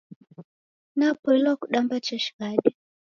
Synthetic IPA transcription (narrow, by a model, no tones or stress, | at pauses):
napɔlwakuɗambat͡ʃaʃi̥ɣaɗɛ